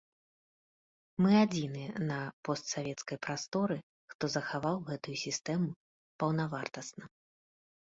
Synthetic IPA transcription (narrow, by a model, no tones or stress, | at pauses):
mɨad͡zʲinɨɛnɐpɔst̪savʲɛt̪skɐjpɾast̪ɔɾɨ | xt̪ɔzɐxavawɣɛt̪ujusʲist̪ɛmu | pɐwnavart̪ɐsnɐ